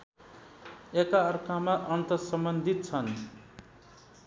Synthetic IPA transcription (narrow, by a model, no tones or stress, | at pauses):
ekaʌrkʰamaʔʌnt̪ʌsʌmbʌnd̪ʱit̪̚t͡sʰʌn